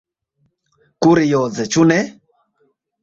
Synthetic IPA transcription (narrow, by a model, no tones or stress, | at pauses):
kuɾijɔd͡zɛt͡ʃunɛ